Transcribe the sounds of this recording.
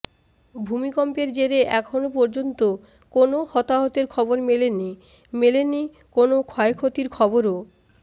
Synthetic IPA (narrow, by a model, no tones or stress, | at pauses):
bʱumikɔmpeɾd͡ʑeɾeʔɛkʰonopɔɾd͡ʑont̪o | konohɔt̪aɦot̪eɾkʰɔboɾmeleni | meleni | konokʰɔekʰot̪iɾkʰɔboɾo